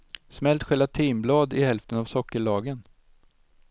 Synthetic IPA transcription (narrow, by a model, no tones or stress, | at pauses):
smɛlt̪ɧɛlvat̪ʰiːmblɑːd̪ɪhɛlft̪ənavsɔkːəɭɑːɡən